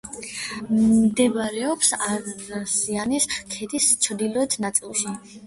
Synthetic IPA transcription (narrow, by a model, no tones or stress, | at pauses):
d̪ɛbaɾɛɔpsaasianiskʰɛd̪ist͡ʃʰd̪ilˠɔɛt̪ʰnat̪sʼilˠʃi